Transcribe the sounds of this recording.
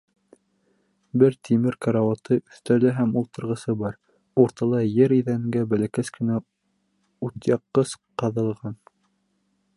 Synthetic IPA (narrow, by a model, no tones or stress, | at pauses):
bɘɾt̪ʰimɘɾkɑɾɑwɑt̪ɤʔɵ̆θt̪ælɘɦæmulˠt̪ɤ̆ɾʁɤ̆sɤbɑɾ | uɾt̪ɑlˠɑjɘɾiðæ̆ŋɡæbælækæskɘ̆næ | ut̪jɑqːɤsqɑðɤ̆lˠʁɑn